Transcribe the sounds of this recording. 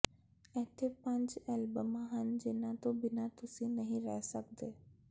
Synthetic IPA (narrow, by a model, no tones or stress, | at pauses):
ɛɦt̪ʰepɐ̃ɲd͡ʒɛlbəmãɦənd͡ʑɪːnãt̪obɪnat̪ʊsĩnɐɦĩɾɛɦsɐk̚d̪eː